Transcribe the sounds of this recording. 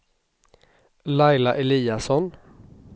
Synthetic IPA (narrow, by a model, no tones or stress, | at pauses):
lɑɪlaʔɛliːasɔn